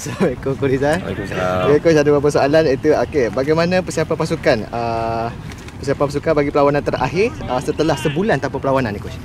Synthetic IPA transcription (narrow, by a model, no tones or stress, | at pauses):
saekokuɾiza̰ksekusadabapəsoalanit̪uakebaɡajmãnãpəsiapapasukanə | pəsiapapas̬ukanbaɡipəlawanãnt̪əra̰ɦɪrəsət̪əlahsəbulant̪apapəlawanãnikut͡ʃ